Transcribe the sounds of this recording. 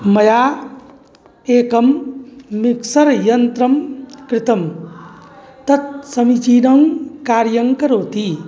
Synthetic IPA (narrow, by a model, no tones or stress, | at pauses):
mɐjaː | eːkɐmː | iksɐɾjɐnt̪ɾɐmkɾɪt̪ɐm | t̪ɐt̪̚sɐmit͡ʃiːnɐŋkaːɾjɐŋkɐɾoːt̪i